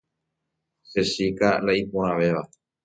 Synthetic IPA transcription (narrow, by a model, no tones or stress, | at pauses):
sesikalaipoɾ̃ãʋe̞ʋa